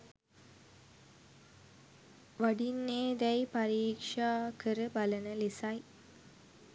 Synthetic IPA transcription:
ʋaɖinːeːd̪ɛjpaɾiːkʂaːkəɾəbalənəlisaj

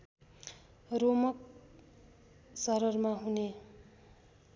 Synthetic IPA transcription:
romʌk̚ | sʌɾʌrmaɦune

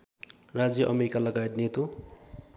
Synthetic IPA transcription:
rad͡zjʌʔʌmeɾikalʌɡajet̪net̪u

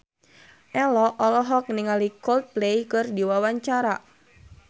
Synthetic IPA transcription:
ʔɛlɔʔɔlɔɦɔk̚niŋalikɔlt̪̚plejkɨrdiwawaɲt͡ʃaɾa

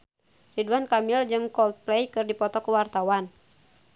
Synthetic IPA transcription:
riduankamild͡ʒɨŋkɔlt̪̚plɛjkɨrdipɔt̪ɔkuwart̪awan

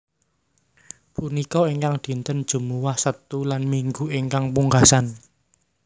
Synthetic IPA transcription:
punikɔeŋkaŋd̪̥i̤nt̪ənd̥ʒ̥ṳmuwahsət̪ulanmiŋɡueŋkaŋpuŋɡasan

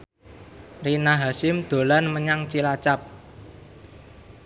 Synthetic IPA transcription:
rinaɦasɪmd̪̥o̤lanməɲaŋt͡ʃilat͡ʃap̚

